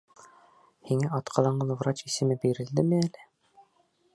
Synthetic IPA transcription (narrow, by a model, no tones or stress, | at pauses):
hiŋæɒt̪qʰɑ̆lˠɑɴɤlˠvɾɑt͡ɕisɘ̆mɘbiɾɘ̆ld̪ɘmɘælɘ